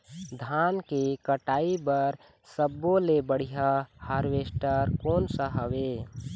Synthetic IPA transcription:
d̪ʱankekəʈaibəɾ | səbːolebəɽ̤ijahaɾʋesʈəɾkoːnsəɦəwe

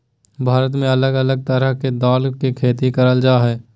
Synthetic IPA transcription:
bʱaːɾət̪mẽɐləɡələɡ̚t̪əɾəɦked̪aːlkikʰeːt̪ikəɾəld͡ʒaːɦɛː

